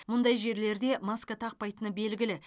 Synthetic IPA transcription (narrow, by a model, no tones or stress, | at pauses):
mʊnd̪ɑjʒe̞ɾle̞ɾd̪e̞maskat̪ʰɑq̚pɑjt̪ənəbe̞lɡʲɪlɪ